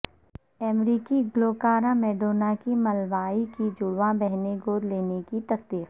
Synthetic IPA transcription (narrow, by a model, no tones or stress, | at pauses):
ɛmɾiːkiɡloːkaːɾãmeːɖoːnakimɐlʋaːikid͡ʒʊɽʋabɛɦneɡoːɾleːnekit̪ɐsd̪iːq